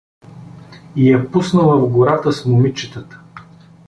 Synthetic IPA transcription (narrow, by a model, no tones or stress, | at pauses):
ijɐpusnəlˠəvɡoɾat̪əsmʊmit͡ʃɛt̪ət̪ə̥